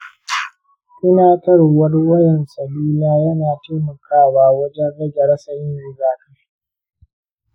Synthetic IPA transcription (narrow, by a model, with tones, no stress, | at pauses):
ʔɪ˦naː˦tɐ˦ɽo˨wɐ˦ɽwɐ˦jɛ˨nsɐ˨luː˦laː˦jɐ˦naː˨teː˦mɐ˨kʰaː˦˨waː˦wɐ˦d͡ʒɛ˦nɽɐ˦d͡ʒɐ˨ɽɐ˦sɐ˨jɪ˦nɽɪ˦zaː˦kɐ˦ɸi̥˦ʔ